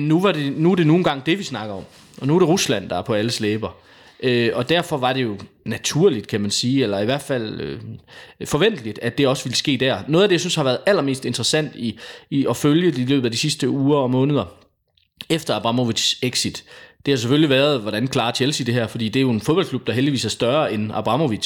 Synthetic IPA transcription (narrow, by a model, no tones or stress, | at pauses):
nuʋɑ̈d̥e̝nuæɐɾ̥e̝no̝ːn̩ɡ̥ɑ̈ŋ̰d̥e̝ʋisnɑ̈ɡ̥ɐɒ̽m̰ | ʔɒ̽nuæɐɾ̥e̝ʁuslæn̰d̥ɑ̈æɐpʰɒ̽æləsleːb̥ɐ | ʔøɒ̽d̥æɐ̰fɒ̽ʋɑ̈d̥e̝jo̝ | næt͡sʰuɐ̰lid̥kʰæmænsiːelɐiʋæɐ̰d̥fæl̰ø | fɒ̽ʋen̰d̥əlid̥æd̥e̝ɒ̽səʋiləsɡ̥e̝̰ːd̥æɐno̽ːð̩ˠædejasynshɑʋæːɐð̩ˠæl̰ɐme̝̰ːsd̥e̝nd̥ʁəsæn̰d̥iɒ̽føljədeilø̰ːb̥̩ˠæd̥isisd̥əuːɐɒ̽mɔ̽ːnəð̞ˠɐ | efd̥ɐɑ̈b̥ʁɑ̈moʋi̥seɡ̥sid̥d̥e̝hɑ̈s̬efølliʋæːɐð̞ˠʋɒɾænkʰlɑ̈ːt͡ɕʰelsid̥e̝ɦæɐ̰fɒd̥ḭːd̥e̝æjo̝e̝nfoð̞̥ˠɒlkʰlub̥̚d̥ɑ̈ɦeldiʋḭːsæɐsd̥ɶɐenɑ̈b̥ʁɑ̈mo̝ʋi̥